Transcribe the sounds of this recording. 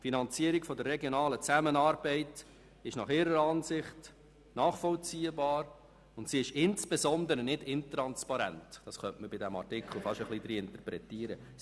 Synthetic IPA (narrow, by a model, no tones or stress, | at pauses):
finɑnt͡siəɾikfɔdərːɛɡjɔnɑːlət͡sæmənɑːɾbɛɪt | ɪʃnɑχɪːɾəɾɑːnsɪχt | nɑːχfɔlt͡siːəbɑːɾ | ʊntsiɪʃɪnt͡sb̥ezɔnd̪əɾənɪdɪntɾɑnspɑɾæ̰ntd̥ɑsχœntməbɪdɛmɑ̰rtɪkχl̩ˠfɑʃəχlidɾiɪntəpɾɛtiːəɾə